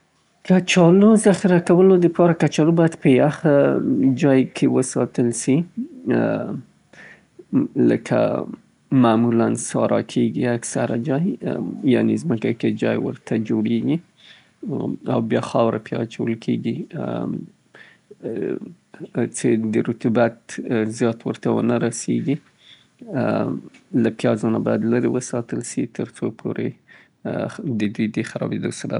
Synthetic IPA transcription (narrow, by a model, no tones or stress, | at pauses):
kat͡ʃɑlozaxɪɾakawəlod̪əpɑɾakat͡ʃɑlobɑjad̪pəaxad͡ʒɑjkʰewəsɑ̰t̪əlsi | lə̰kʰa̰ | mamulansɑ̰ɾʔɑ̰kʰeɡiaksaɾad͡ʒɑjja̰nezməkaked͡ʒɑ̰jwə̰ɾt̪ʰad͡ʒoɽeɡi | awbjɑxɑwɾapjɑ̰t͡ʃawəlkʰeɡi | t͡sed̪əɾʊt̪ubat̪zjɑt̪wəɾt̪awə̰naɾaseɡi | lapjɑzɑnabɑjad̪laɾewəsɑt̪əlʃit̪ʰəɾt͡sopʰo̰ɾḛ | d̪əd̪ujd̪əxaɾɑ̰bed̪osaɾa̰